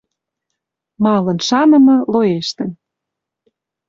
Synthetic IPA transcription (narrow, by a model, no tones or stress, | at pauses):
mɑlɤ̆nʃɑnɤ̆mɤ̆loeʃt̪ə̆n